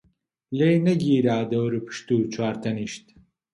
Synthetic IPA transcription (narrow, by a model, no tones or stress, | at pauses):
lejneɡiːɾaːd̪ɐwɾɨpʰɨ̥ʃt̪uːt͡ʃʰuaːɾt̪ʰɐniʃt̪